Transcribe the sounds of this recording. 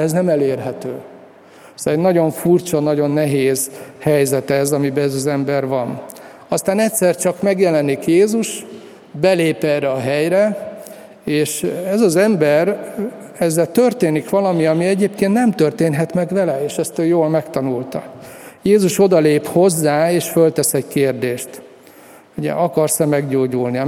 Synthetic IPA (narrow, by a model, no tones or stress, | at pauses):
ɛznɛmɛleːrɦɛt̪øː | ɛzɛɟnɒɟo̞ɱfurt͡ʃɒnɒɟo̞nːɛɦeːzhɛjzɛt̪ɛzɒmibɛɛzɒzɛmbɛrvɒn | ɒst̪aːnɛtʲsɛrt͡ʃɒkmɛɡjɛlɛnikjeːzuʃ | bɛleːpɛrɛɒɦɛjɾɛ | eːʃɛzɒzɛmbɛr | ɛzːɛlt̪ørt̪eːnikʋɒlɒmiɒmiɛɟeːpkeːnt̪nɛmt̪ørt̪eːnɦɛt̪mɛɡʋɛlɛeːʃɛst̪øːjoːlmɛkt̪ɒnult̪ɒjeːzuʃo̞d̪ɒleːpho̞zːaːeːʃfølt̪ɛsɛɟkeːrd̪eːʃt̪ | uɟɛ̰ʔɒkɒrsɛmɛɡɟoːɟulni